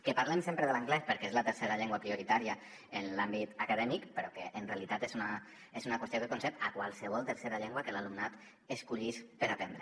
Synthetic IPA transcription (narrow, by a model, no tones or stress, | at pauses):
kepaɾlemsempɾeðələŋɡlɛspəɾkeezlət̪əɾseɾaʎɛŋɡwapɾioɾit̪aɾia | enlambit̪akaðɛmikpeɾɔkeʔːnrealit̪at̪ezuna | ezunakwest̪okekonsɛpakwalˠsəβ̞ɔlˠt̪əɾseɾaʎeŋɡwakelalumnat̪ | eskuʎispeɾat̪end̪ɾe